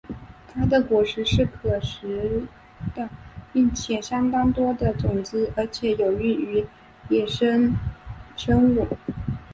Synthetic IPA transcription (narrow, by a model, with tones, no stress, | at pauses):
t̪ʰa˥d̪ə˨kwɔ˧˥ʂɻ̩˧˥ʂɻ̩˥˩kʰɤ˨˩ʂɻ̩˧˥ | d̪̥ə˧pi˥˩ŋt͡ɕʰjɛ˨˩ɕjɑ˥ŋt̪ɑ˥ŋt̪wɔ˥d̪ə˨t͡sʊ˨˩ŋt͡s̩˥ʔə˞˧˥t͡ɕʰjɛ˧˥jo˨˩ʊy˥˩y˧˥ | jɛ˥˩ʂə˥ŋ | ʂə˥ŋu˥˨˩